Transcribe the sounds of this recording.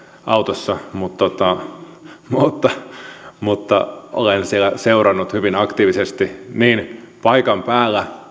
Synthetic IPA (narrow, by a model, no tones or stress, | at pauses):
ʔɑut̪osːɑmut̪ːot̪ɑ | mut̪ːɑmut̪ːɑ̰ʔo̰lensielæseurɑnːut̪hyʋinɑkt̪iːʋisest̪iniːn | pɑikɑmpæːlːæ